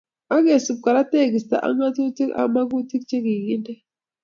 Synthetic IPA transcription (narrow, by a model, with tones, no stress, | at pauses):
a˦ɡe˨su˨b̚ka˨ɾa˦te˦˨ɡi˨sta̰˨ʔa̰˦ŋa˦tu˦ti˦ka̰˨ma˦ɡu˦ti˦k̚t͡ʃe˦ɡi˨ɡi˦ndɛ˦